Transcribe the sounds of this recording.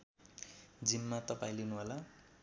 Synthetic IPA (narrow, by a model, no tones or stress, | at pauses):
d͡zimmat̪ʌpaĩlinuɦola